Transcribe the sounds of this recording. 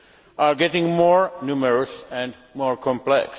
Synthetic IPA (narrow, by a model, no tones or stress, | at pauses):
ʔaɹɡɛtɪ̃ŋmɔɹnuməɹɔsɛ̃nd | mɔɹkʰɔ̃mplɛ̰ks